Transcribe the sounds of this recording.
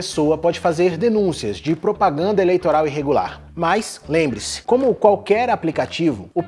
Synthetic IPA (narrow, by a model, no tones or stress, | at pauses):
esowɐpɔd͡ʒɪfazeɾd̪enũsiɐzd͡ʒɪpɾopaɡɐ̃nd̪ɐelejt̪oɾawiɦeɡula̰ɾ | majslẽmbɾɪsɪ̥kõmʊkwawkɛɾaplikat͡ʃivʊ̰ʊp